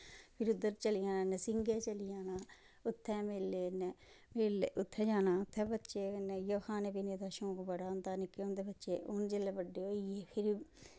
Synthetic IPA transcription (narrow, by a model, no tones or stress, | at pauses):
pʰɪɾʊd̪ːəɾt͡ʃəlijãːnãːnɛsɪŋɡeːt͡ʃəlɪjaːnaː | ʊt̪ʰːɛːmɪlːeːnɛ | meleʊt̪ʰːɛːd͡ʒaːnãːʊt̪ʰːɛ̃ːbətːʃeːnɛjoːhaːnepineːd̪aːʃõːkbəɽaːʊnd̪aːnɪkːeõːnd̪eːbətːʃeːoːnd͡ʒelːɛːbəɖːeːɦoːieːpʰɪɾ